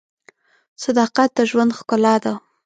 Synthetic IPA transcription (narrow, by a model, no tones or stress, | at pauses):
sad̪ɑqat̪̚d̪əʒwand̪xkʊlɑd̪a